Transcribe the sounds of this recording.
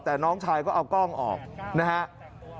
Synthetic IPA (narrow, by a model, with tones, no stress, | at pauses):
t̪ɛː˨˩nɔː˦˥ŋt͡ɕʰaː˧jkɔː˥˩ʔa˧wkɔː˥˩ŋʔɔ̰ː˨˩k̚na˦˥kʰa˦˥ʔ